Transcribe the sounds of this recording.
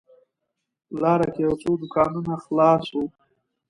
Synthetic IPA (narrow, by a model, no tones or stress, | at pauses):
lɑɾakejawt͡sod̪ʊkɑnunaxlɑsu